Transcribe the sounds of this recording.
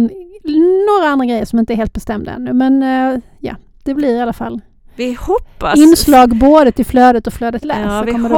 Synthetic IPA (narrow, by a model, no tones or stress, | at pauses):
noːɾaand̪ɾaɡɾɛjːəʂɔmɪnt̪əɛɾheːlt̪bɛst̪ɛmd̪a̰ɛ̰nːʉmɛn | jɑ̰ː | d̪̥ɛblɪɾɪalːafa̰lː | ɪhɔpːaɪnːslɑːɡboːd̪ət̪ʰɪlfløːd̪ət̪ɔflœːd̪ət̪læ̰sɔkɔmːədɛ